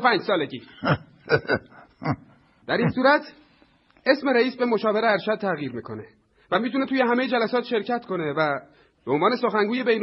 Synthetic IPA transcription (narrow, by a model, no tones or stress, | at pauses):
pʰæːnd͡ʒsɒːleɟi | d̪̥æɾinsuːɾæt̪ʰ | e̞smeɾæiːsbe̞mo̞ʃɒːve̞ɾeæɾʃæd̪̚t̪ʰæɣjiːɾmiːkʰo̞ne̞ | væmit̪ʰune̞t̪uːjeɦæmejed͡ʒælæsɒːt̪ʃe̞ɾcʰæt̪ʰkʰo̞ne̞væ | b̥eonvɒːne̞soxæŋɡuːje̞be̞jn